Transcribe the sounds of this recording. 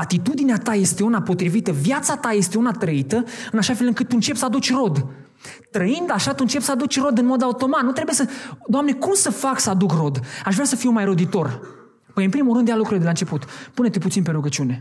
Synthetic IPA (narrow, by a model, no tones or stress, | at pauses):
at̪it̪ud̪ineat̪aje̞st̪e̞unapo̞t̪ɾivit̪əvjat̪sat̪aje̞st̪e̞unat̪ɾəit̪əɨnaʃafe̞lɨŋkɨt̪ːuɨnt͡ʃe̞psəad̪ut͡ʃʲro̞d̪ | t̪ɾəind̪aʃat̪uɨnt͡ʃe̞psəad̪ut͡ʃʲro̞d̪ɨnmo̞d̪aut̪o̞mat̪nut̪ɾe̞buje̞səd̪oamne̞kumsəfaksəad̪ukro̞d̪aʃvɾʲeasəfiumajɾo̞d̪it̪o̞r | pəjɨnpɾimulɾɨnd̪jalukɾuileelaɨnt͡ʃe̞put̪pune̞t̪eput̪sinpe̞ɾuɡət͡ʃiune̞